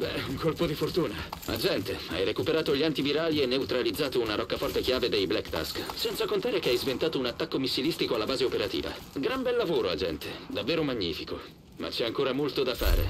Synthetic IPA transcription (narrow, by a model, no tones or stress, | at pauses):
bɛ̰uŋkolpod̪ifort̪uːnaa̰d͡ʒɛnt̪ea̰jrekupeɾaːt̪oʎiant̪iviɾaːlienːeut̪ɾalid̪zːaːt̪ounaɾɔkːafɔrt̪ekjaːved̪ejblɛkːt̪a̰sksɛnt̪sakont̪aːɾekeajzvent̪aːt̪ounat̪ːakːomisːilist̪ikoalːabaːzeopeɾat̪ḭːva̰ɡɾambɛlːavoːɾoad͡ʒɛ̰nt̪ʰed̪avːeːɾomaɲːḭːfiko | ma̰t͡ʃːɛaŋkoːɾamolt̪od̪afa̰ːɾḛ